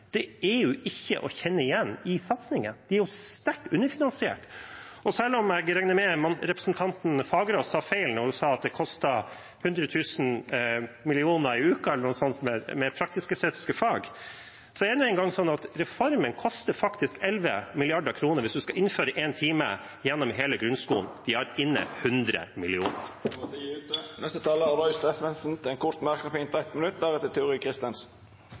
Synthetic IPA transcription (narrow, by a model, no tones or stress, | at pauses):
d̪̥ɛæɾjʊʔɪçːə̰ʔɔçɛnːəɪjɛnːɪsɑt̪snɪŋə̰nd̪̥ɛæɾjʊst̪æʈːʉnːəɾfɪnɑnsɪḛːʈ | ɔsɛlːɔmæɡɾæŋnəmɛmɑnɾɛpɾəsnt̪ʰɑnt̪n̩fɑːɡəɾoːsɑːfeɪlnɔɾhʉsɑːɑt̪̚d̪ɛkʰɔst̪ɑ | hʉnd̪ɾət̪ʰʉːsn̩ | mɪlɪuːnəɾɪʉːkɑɛlːəɳnʊsɔnt̪mɛmɛpʰɾɑkt̪ɪskəseːt̪ɪ̥skəfɑːɡ | sɔɛɾɛnʊɛɪŋɡɑŋːsɔnːɑt̪ɾɛfɔɾmənkʰɔst̪əɾfɑkt̪ɪskɛlʋə̰mɪlɪɑɖəkʰɾuːnəɾʋɪsd̪ʉskɑʔɪnføːɾəʔeːnt̪ʰiːmə̰ | jɛnːɔmɦeːləɡɾʉnskuːnd̪̥ɪhæɾɪnːə̰hʉnd̪ɾə̰mɪlɪuːnə̰ɾʉːt̪̚ɛnɛst̪ət̪ʰɑːləæɾɔʏst̪ɛfʋɛnsn̩t̪ʰɪlɛnkʰʊɾt̪mæɾknəpʰint̪æɪt̪mənʉt̪̚d̪æɾɛt̪ːət̪ʰɪʊɾɪkʰɾɪst̪ɛnsn̩